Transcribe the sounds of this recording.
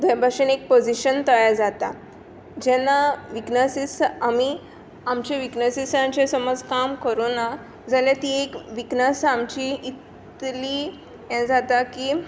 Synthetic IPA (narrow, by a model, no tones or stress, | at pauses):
d̪ʱəbʱaʂenek̚pod͡ziɕənt̪əjad͡zat̪a | d͡ʑɛnaʋiknəsisami | amt͡ɕeʋiknəsisãt͡ɕẽsəməd͡zkamkəɾona | d͡zaljat̪iekʋiknəsamt͡ɕiit̪ | li | jɛ̃d͡zat̪akiː